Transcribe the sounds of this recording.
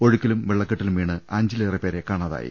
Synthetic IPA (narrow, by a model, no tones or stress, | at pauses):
o̞ɻukʲːiɐlumʋeɭːɐkːɐʈːilumʋiːɳɨaːɲd͡ʑilɐripeːɾekaːɳɐða̰ːjḭ